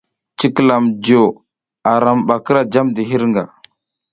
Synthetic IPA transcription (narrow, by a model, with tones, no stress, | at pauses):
t͡ʃi˦kla˨md͡ʒo˨ | a˨ɾa˨mba˨kɾa˦d͡ʒa˦mdi˨ɦi˦ɾŋɡa̰˨